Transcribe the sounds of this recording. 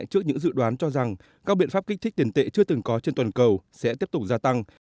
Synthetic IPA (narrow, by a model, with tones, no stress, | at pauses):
jt͡ɕɨ˦˥ək̚ɲɨ̰˧˥ŋzɨ̰˧˨ɗwaː˨˦nt͡ɕɔ˧za˨˩ŋ | kaː˦˥k̚ɓḭ˧˨ənfa˦˥p̚kï˦˥k̚t̪ʰk̚t̪i˨˦nt̪ḛ˧˨t͡ɕɨ˧ət̪ɨ˨˩ŋkɔ˨˦t͡ɕe˧nt̪waː˨˩nkə˨˩wsɛ̰˧˥t̪i˦˥əp̚t̪ʊ˨˩k͡p̚zaː˧t̪a˧ŋ